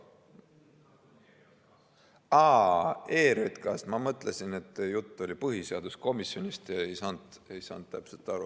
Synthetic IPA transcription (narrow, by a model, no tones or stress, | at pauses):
ɑːeːɾet̪kɑsmɑmɤt̪ːˑlesine̞t̪ːjut̪ˑːo̞lʲipɤɦise̞ɑd̪usko̞misjo̞nʲist̪jɑejsɑnd̪̥e̞jsɑ̰nt̪ːæpse̞lt̪ːˑɑɾu